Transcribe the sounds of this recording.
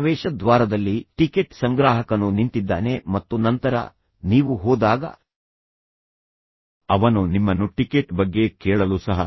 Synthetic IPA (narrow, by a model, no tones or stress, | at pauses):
ʋɛːʃɐd̪ʋaːɾɐd̪ɐlːiʈikeʈsɐŋɡɾaːɦɐkɐnunint̪id̪ːa̰ːne̞mɐt̪ːunɐnt̪ɐɾɐ̰ | niːʋuɦoːd̪aːɡɐ̰ | ɐʋɐnunimːɐnːuʈikeʈbɐɡːe̞kɛːɭɐlusɐɦɐ̰